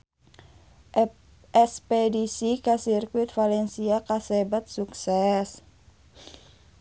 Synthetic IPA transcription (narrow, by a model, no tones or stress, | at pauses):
ʔɛspedisikasirkwɪt̪̚falɛnsiakasɛbat̪̚suksɛs